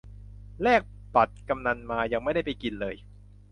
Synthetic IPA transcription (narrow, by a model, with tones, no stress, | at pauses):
lɛː˥˩k̚ | pa˨˩t̪̚ka˧mna˧nmaː˧ja˧ŋma˥˩jda˥˩jpa˧jki˧nlɤː˧j